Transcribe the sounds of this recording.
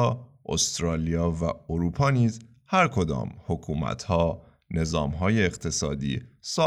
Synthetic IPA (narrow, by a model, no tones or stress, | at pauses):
ʔost̪ɾɒːlijɒːvæoɾuːpʰɒːniːz | hæɾkʰo̞d̪ɒ̰ːmhokʰuːmæ̰t̪ʰhɒː | ne̞zɒːmɦɒːje̞ːɣt̪ʰe̞sɒːd̪ḭːsɒ